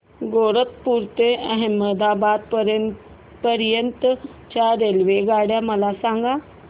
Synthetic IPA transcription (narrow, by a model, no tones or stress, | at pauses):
ɡoɽət̪puɾt̪eʔəɦẽməd̪abad̪̚ | pəɾjənt̪ə | t͡ɕaɾelʋeɡaɽjaməlasaŋɡa